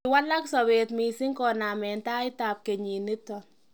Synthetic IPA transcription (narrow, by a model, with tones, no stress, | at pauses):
ɪwa˦la˦ksɔ˨βe˨tmi˨sɪ˦ŋkɔ˨na˨mɛ˨nta˦ɪ˦ta˨p̚ke˨ɲi˨ni˦tɔ˨